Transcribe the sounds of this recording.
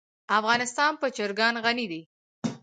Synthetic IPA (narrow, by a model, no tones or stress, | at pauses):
afɣɑnɪst̪ɑnpət͡ʃəɾɡɑnɣanid̪i